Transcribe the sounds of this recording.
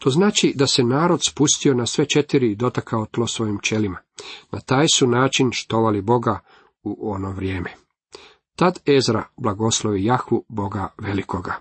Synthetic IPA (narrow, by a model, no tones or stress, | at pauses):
t̪o̞znaːt͡ʃid̪asenaːɾo̞d̪spust̪io̞nasʋe̞t͡ʃe̞t̪iɾid̪o̞t̪akʰaot̪lˠo̞sʋo̞jimt͡ʃe̞limanat̪aːjsunaːt͡ʃinʃt̪o̞ʋalibo̞ɡa | uʔo̞no̞ʋɾje̞ːme | t̪ad̪e̞zɾa̰blˠaɡo̞sloʋijaxʋubo̞ɡaʋelikoɡa